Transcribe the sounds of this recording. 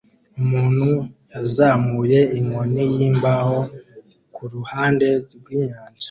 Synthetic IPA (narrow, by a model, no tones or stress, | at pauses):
umuːn̥hujazaːmuje̞iŋonijiːmbaho̞ | kʰuɾuhaːnde̞ɾɡwiːɲaːnd͡ʒḁ